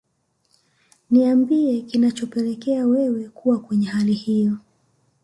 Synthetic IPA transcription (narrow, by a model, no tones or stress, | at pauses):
niambiɛkinat͡ʃɔpɛlɛkɛawɛwɛkuwakwɛɲɛhalihijɔ